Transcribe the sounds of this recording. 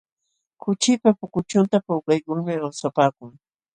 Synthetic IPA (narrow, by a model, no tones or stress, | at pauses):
kʊt͡ʃɪpapʊkʊt͡ʃʊnt̪apʊwkajkʊŋmɪawsapaːkʊŋ